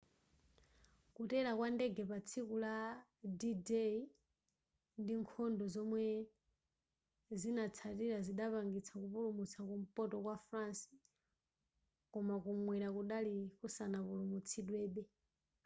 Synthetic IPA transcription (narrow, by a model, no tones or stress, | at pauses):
kutɛɾakwandɛɡɛpat͡sʰikuladidɛi | ndiŋkʰɔndɔzɔmwɛ | zinat͡sʰatiɾaziɗapaŋɡit͡sʰakupulumut͡sʰakum̩pɔtɔkwafɾansi̥ | kɔmakumwɛɾakuɗalikusanapulumut͡sʰiɗwɛːɓɛ